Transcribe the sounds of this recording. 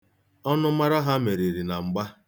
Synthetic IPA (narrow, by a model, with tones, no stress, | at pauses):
ɔ˦nʊ˦ma˦ɾa˦ɦa˦me˨ɾi˨ɾi˨na˨ŋ͡m̩˨ɡ͡ba˦